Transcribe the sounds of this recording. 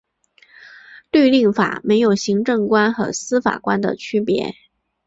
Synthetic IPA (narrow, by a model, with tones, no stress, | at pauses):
t̪we˥˧ɪli˥˩ŋfa̰˨˩me˧˥ɪjo˨˩ʊɕi˧˥ŋʈ͡ʂɤ˥˩ŋkwa˥nxɤ˧˥sɹ̩˥fa̰˨˩kwa˥nd̪ə̰˨˩t͡ɕʰy˥pjɛ̰˧˥